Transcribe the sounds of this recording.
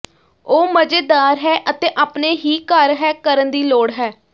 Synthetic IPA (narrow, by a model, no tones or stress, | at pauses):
oːməd͡ʒed̪aːɾɦɛːʔət̪eːʔaːpneːɦiːkəɾɦɛːkəɾənd̪iːloːɽɦɛː